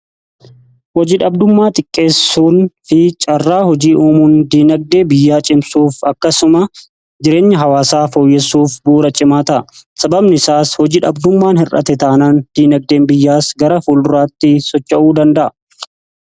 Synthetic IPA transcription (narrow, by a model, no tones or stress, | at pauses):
wɔd͡ʒiːᶑɐb̚d̪ʊmːaːt̪ʼɪkʼːe̞ːsːuːnfɪt͡ʃʼɐrːaːhɔd͡ʒiːʔoːmuːnd̪iːnɐɡ̚d̪e̞ːbɪjːaːt͡ʃʼɪmsuːfɐkːɐsʊmɐ | d͡ʒɪɾe̞ːɲːɐɦɐwaːsaːfoːjːɛsuːfbuːɾɐt͡ʃʼɪmaːt̪ɐʔsɐbɐbnɪsaːshɔd͡ʒiːᶑɐbd̪ʊmːaːnhɪrʔɐ̰t̪ɛt̪aːnand̪̥iːnɐɡ̚d̪eːnbɪjːaːsɡɐɾɐfulɾaːt̪ːɪsɔt͡ʃːɐʔuːd̪ɐnd̪ɐʔɐ